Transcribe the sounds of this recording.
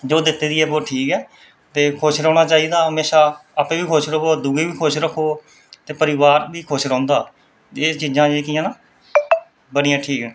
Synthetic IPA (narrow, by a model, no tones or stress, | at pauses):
d͡ʒoːd̪ɪt̪ːeːd̪ɪɛːboːʈʰiːkɛː | t̪eːkʰoːʃɾɔ̃ːɽ̃aːt͡ʃaːiːd̪aːɦəmeːʃaːapẽːʋiːkʰoːʃɾəoːəd̪uːɡeːʋiːkʰoːʃɾəkʰːoː | t̪eːpəɾɪʋaːɾʋiːkʰoːʃɾɔ̃ːnd̪aː | eːt͡ʃiːd͡ʒãːeːkiːãːnaː | bəɽɪjãːʈʰiːkɛ̃ː